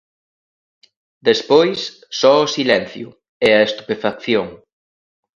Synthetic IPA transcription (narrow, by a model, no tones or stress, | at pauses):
d̪espojs | sɔosilɛn̟θjʊ̰ | ɛɐest̪upefakθjoŋ